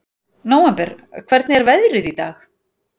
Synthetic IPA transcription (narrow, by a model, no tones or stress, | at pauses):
noːwɛmpɛɾkʰv̥ɛɾt̪nɪɛɾvɛðɾʏðit̪aːx